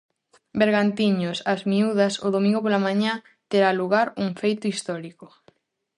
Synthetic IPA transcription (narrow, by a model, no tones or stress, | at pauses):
beɾɣant̪iɲosazmiuðɐsoðomĩŋɡop̬olamãɲã | t̪eɾaluɣaɾuŋfejt̪ʊist̪ɔɾikʊ